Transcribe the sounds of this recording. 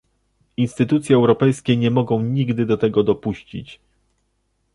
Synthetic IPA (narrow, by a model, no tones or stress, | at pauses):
inst̪ɘt̪ut̪sʲjɛɛwɾɔpɛjskʲɛɲɛmɔɡɔ̃w̃ɲiɡd̪ɘd̪ɔt̪ɛɡɔd̪ɔpuɕt͡ɕḭt͡ɕ